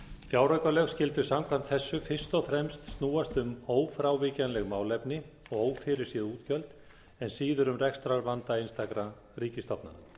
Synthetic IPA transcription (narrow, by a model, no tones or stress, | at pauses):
fjaːwɾœɥkalɛɣscɪl̪t̪ʏ̥samkʰvam̥t̪θɛsːʏfɪr̥st̪ɔɣfɾɛmst̪st̪nuːast̪ʏmoːwfɾawvɪcanlɛɣmaːwlɛpnɪɔɣoːwfɪɾɪɾ̥sjɛðuːt̪cʰœlt̪ | ɛnsiːðʏɾʏmrɛkst̪ɾaɾvant̪aɪnst̪akɾa | riːcɪst̪ɔpna̰na̰